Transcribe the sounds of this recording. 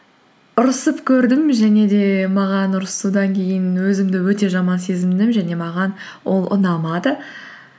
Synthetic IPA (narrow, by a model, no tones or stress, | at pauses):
ʊɾəsəpkʲʰɵɾd̪ɪmʒæne̞d̪e̞mɑʁɑnʊɾsud̪ɑŋkʲʰe̞jɪnwɵzɪmd̪ɪwɵt̪e̞ʒɑmɑnse̞zɪmd̪ɪmʒæne̞mɑʁɑn | wʔo̞̰lˠʔʊ̰nɑmɑd̪ə